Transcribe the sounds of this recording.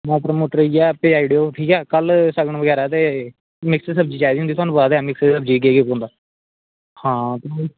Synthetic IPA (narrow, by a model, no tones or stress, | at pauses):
mɛ̃ːpɾəmoːʈəɾiɛːpeːaːɪɖijoːʈʰiːkɛːkəlsəɡɳãːʋəɡɛːɾaːt̪̬eː | mɪkssəb̚d͡ʒiːt͡ʃaːid̪iːɦʊnd̪it̪ʊɦaːnũːbaːd̪ɛːmɪkssəbd͡ʒiːɡeːɡɪpõːnd̪aː | hãːt̪oː